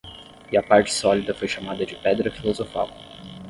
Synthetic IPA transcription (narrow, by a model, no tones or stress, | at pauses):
iɐpaɾt͡ʃɪ̥sɔlid̪ɐfojʃamad̪ɐd͡ʒɪpɛd̪ɾɐfilozofa̰w